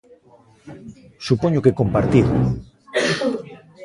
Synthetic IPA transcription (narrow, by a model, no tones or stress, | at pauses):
supoɲokekompaɾt̪iðo